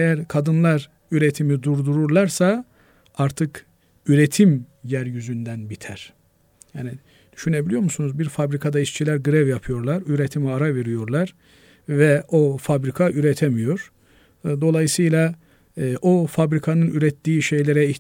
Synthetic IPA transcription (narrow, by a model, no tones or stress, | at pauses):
ejæɾkʰad̪ɯnlˠaɾ | yɾet̪ʰimid̪uɾd̪uɾuɾlˠaɾsa | aɾt̪ʰɯk | yɾet̪ʰimjæɾjyzynd̪ænbit̪ʰæɾ̥ | jaːni | d̪̥yʃynebilʲijo̞ɾmusunuzbiɾfabɾikʰad̪ait͡ʃt͡ʃʰilʲæɾɡɯɾɛvjapʰɯjo̞ɾlˠaɾyɾet̪ʰimiaɾave̞ɾijo̞ɾlˠaɾ | vɛofabɾikʰaʔyɾɛt̪ʰemijo̞ɾ̥ | d̪o̞lˠajɯsɯjlˠa | ʔofabɾikʰanɯnyɾɛt̪ːiːʃe̞jlʲeɾɛiç